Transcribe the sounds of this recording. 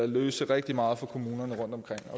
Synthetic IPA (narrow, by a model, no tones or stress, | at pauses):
æløːsəʁɛɡ̥̚d̥imɑ̈ːð̩ˠfɒ̽kʰo̝muːnɐnəʁɔ̽n̰d̥ɒ̽mkʰʁeŋ̰ɒ̽